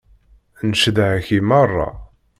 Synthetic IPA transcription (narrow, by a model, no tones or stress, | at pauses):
nəʃðʕæçimɑrˤːɑ̰